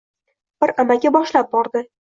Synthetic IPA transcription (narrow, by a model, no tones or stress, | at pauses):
b̥ɪɾamaɡʲabɒʃlap̚bɒɾd̪ɪ